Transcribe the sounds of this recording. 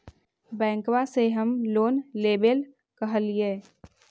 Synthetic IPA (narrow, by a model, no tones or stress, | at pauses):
bɛ̃ːŋkwaseɦəmloːnleːbəl | kəɦəlieː